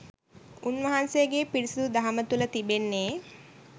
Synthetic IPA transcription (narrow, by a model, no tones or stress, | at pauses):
unʋɐɦansejəɡeːpiɾisud̪ud̪aɦamət̪ulət̪ibenːeː